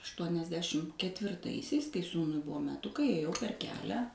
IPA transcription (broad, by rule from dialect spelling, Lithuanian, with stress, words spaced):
ɐʃtuɔnʲɛzʲˈdʲæːʃʲɪm kʲɛtʲʋʲɪrˈtɐɪsʲɛɪs kɐɪ ˈsuːnʊɪ ˈbʊʋoː mʲɛˈtʊkɐɪ eːˈjɛʊ pʲɛr ˈkʲæːlʲæː